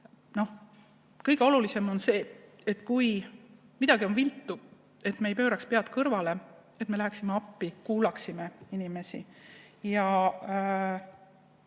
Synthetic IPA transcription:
no̞h | kɤjɡ̥e̞o̞lulise̞mo̞nse̞ː | et̪ːˑkuj | mid̪ɑɡio̞nvilt̪ːˑu | e̞t̪meːjpø̞ːɾɑkspeɑt̪ːˑkɤrvɑle̞e̞t̪me̞læɦæksimeɑpːikuːlɑksimeinime̞sḭ | jɑ

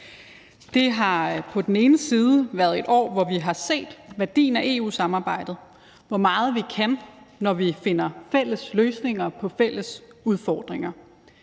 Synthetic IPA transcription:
d̥e̝ɦɑ̈pʰɒ̽d̥en̩e̝ːnəsiːð̞ˠəʋæːɐð̞ˠe̝d̥ɒ̰ːʋɒʋiɦɑ̈se̝̰ːd̥ʋæɐd̥ḭːn̩æʔe̝ːṵːsɑ̈mɑ̈ːb̥ɑ̈ɪ̰d̥ð̩ˠ | ʋɒmɑ̈ːð̞̩ˠʋikʰænːɒʋife̝n̰ɐfel̰əsløːsne̝ŋɐpʰɒ̽fel̰əsuð̞ˠfɒːd̥ʁeŋɐ

